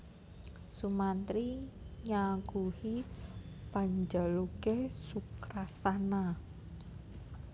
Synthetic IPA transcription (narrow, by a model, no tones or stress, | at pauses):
sumant̪ɾiɲaŋɡuhi | paɲd͡ʒəlukesukɾasana